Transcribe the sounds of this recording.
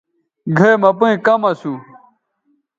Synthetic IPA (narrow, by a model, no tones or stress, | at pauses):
ɡʱejmɐpuĩkɐmɐsu